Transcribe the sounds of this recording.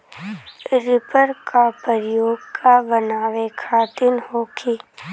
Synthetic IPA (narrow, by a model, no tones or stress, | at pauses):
ɾɪpəɾkapəɾjoːɡkabənaːʋekʰaːt̪ɪnhoːkʰiː